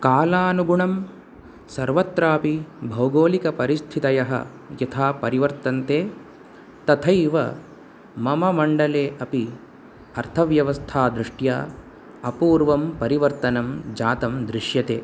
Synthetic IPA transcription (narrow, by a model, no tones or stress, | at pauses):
kaːlaːnuɡuɳɐm | sɐɾʋɐt̪ːɾaːpibʱɐwɡoːlikɐpɐɾist̪ʰit̪ɐjɐɦɐ̰ | jɐt̪ʰaːpɐɾiʋɐɾt̪ɐnt̪eː | t̪ɐt̪ʰɐjʋɐ̰ | mɐmɐmɐɳɖɐleːʔɐpi | ɐɾt̪ʰɐʋjɐʋɐst̪ʰaːd̪ɾiʂʈja̰ː | ɐpuːɾʋɐmpɐɾiʋɐɾt̪ɐnɐmd͡ʒaːt̪ɐmd̪ɾiʂjɐt̪ḛː